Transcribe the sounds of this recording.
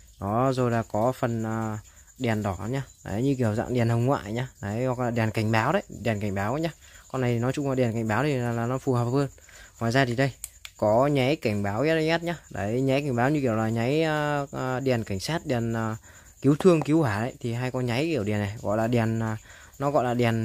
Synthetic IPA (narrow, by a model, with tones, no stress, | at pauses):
nɔ˨˦zo˨˩jlaː˨˩kɔ˨˦fə˨˩nəː˨˩ | ɗɛ˨˩ənɗɔ˨˦˨ɲaː˧ɗa̰˨˩˦ɲɨ˧k̬i˧˩əwza̰˧˨ŋɗi˨ənhə˨˩wŋ͡mŋwa̰ː˧˨jɲaː˧˩na˨˦jhɔ˨˩k̚laː˨˩ɗɛ˨˩ənka˧˩jŋ̟ɓaː˨˦wɗə˨˧˦jɗɛ˨˩ənka˧˩jŋ̟ɓaː˨˦wʔə˧˨˦ɲaː˧kɔ˧na˨˩jt̪i˨nɔ˨˦t͡ɕʊ˧ŋ͡mlaː˨˩ɗi˨˩ənka˧˩jŋ̟ɓaː˨˦wʰlaː˨laː˨˩nɔ˨˦fu˨˩əŋhəː˨˩p̚həː˧n | ŋwaː˨˩jzaː˧t̪i˨˩ɗə˧jkɔ˨˦ɲa˨˦jka˧˩jŋ̟ɓaː˨˦wɲ˦˥t̚ə˧ɲɛ˦˥t̚ɲaː˧ɗə˨˩jɲa˨˦jka˧˩ŋ̟ɓaː˨˦wɲɨ˧ki˧˩əwlaː˨˩ɲa˨˦jɗi˨˩ənka˧˩ŋ̟saː˦˥t̚ɗi˨˩ənː˨˩ | ki˨˦əwt̪ʰɨ˧əŋki˨˦əwhwaː˧˩ɗə̰˨˧˦jt̪ʰi˨˩ɦaː˧jkɔ˨˧˦nɲa˨˦jki˧˩əwɗi˨˩ənːa˨˩ɣɔ̰˧˨jlaː˨˩ɗɛ˨˩ənː˨˩ | nɔ˨˦ɣɔ̰˧˨jlaː˨˩ɗɛ˨˩ən